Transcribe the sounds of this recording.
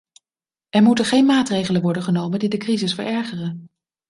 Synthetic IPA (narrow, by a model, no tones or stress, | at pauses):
ʔɛɹmutəχejnmaːtrejχələnʋɔɹdəχənowməndidəkrizɪsfə̰ɹʔɛɹχərən